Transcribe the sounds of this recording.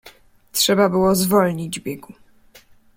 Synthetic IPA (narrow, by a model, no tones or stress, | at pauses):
tʂɛbabɘwɔzvɔlɲid͡ʑvbʲjɛɡu